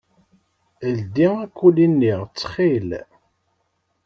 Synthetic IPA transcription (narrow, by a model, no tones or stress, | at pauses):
əld̪iækʷːulinːiʁt͡sːχil